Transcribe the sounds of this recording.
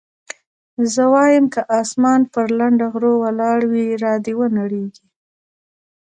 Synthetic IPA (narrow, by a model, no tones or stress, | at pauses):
zəwɑjəmkəʔɑsmɑnpəɾlaɳɖaɣɾowalɑɽwiɾɑd̪ewənaɽeɡi